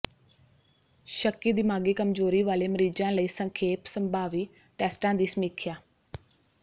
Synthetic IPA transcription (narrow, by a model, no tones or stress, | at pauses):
ʃəkːiːd̪ɪmaːɡeːkəmzoːɾiːʋaːleːməɾiːd͡ʒãːləiːsəŋkʰeːpsəmbʱaːʋiː | ʈɛːsʈãːd̪iːsəmiːkʰjaː